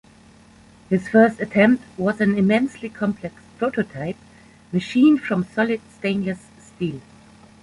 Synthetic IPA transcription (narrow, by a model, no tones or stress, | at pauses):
hɪz̥fɜ˞stɨtʰɛ̃mp̚t̚wʌzɨ̃nɪmɛ̃nslikʰɑ̃mpʰlɛkspʰɹ̥oʊtʰotʰaɪp̚ | mɨʃĩnfɹʌ̃msɔlɪd̥stẽɪ̃nləsːtilˠ